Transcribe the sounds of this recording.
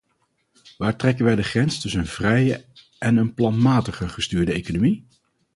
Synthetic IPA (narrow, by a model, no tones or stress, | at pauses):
ʋaːɹtrɛkənʋɛjdəχrɛnstɵsənnv̥rɛjə | ʔɛnənplɑnmaːtəχəχəstyːɹdəejkonomi